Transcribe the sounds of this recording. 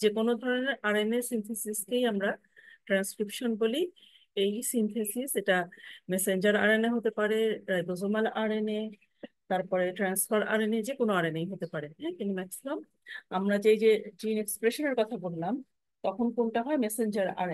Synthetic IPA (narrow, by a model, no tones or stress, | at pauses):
d͡ʑekonod̪ʱɔɾoneɾaɾeneɾsint̪ʰesiskejamɾa | ʈɾanskɾipʃonboli | ejsint̪ʰesiseʈameseɲd͡ʑaɾaɾeneɦot̪epaɾeɾajbozomalʔaɾene | t̪aɾpɔɾeʈɾansfaɾa̰ɾened͡ʑekonoaɾenejɦot̪epaɾeɦɛ̃t̪inimɛksimom | amɾad͡ʑejd͡ʑed͡ʑinekspɾeʃoneɾkɔt̪ʰabolnam | t̪ɔkʰonkonʈaɦɔemɛsend͡ʑaɾa̰ɾe